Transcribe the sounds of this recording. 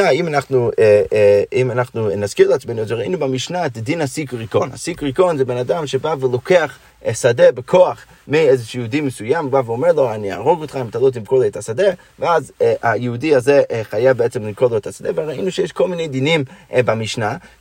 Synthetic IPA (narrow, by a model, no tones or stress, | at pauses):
aimanaχnueimanaχnunazkiʁleat͡smejnuazeʁaḭnubamiʃnaet̪d̪inhasikʁiko̞nha̰sikʁikonzɛbenad̪amʃebavelokeaχ | sad̪ebekʰo̞aχ | miezeʃjud̪imesujambaveomeʁlo̞ania̰ʁoɡotχaimtalot̪̬imkolejt̪ʰasade | veazajeudiazeʔχajavbeet͡semlimkodloetʰasad̪eveʁaḭnuʃejeʃkolminejd̪inimbamiʃna